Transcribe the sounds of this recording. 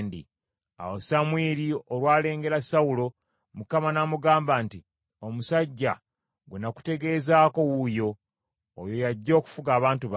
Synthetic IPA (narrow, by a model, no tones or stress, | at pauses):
ndḭ | a̰wosamwiːɾioɾwaːle̞ːŋɡe̞ɾasawulo̞ | mukamanamuɡaːmbanti | o̞musaɟːa̰ | ɡunaku̥te̞ɡe̞ːzaːko̞wujo̞ː | jo̞jaɟːo̞ːku̥fuɡaːβaːntuβ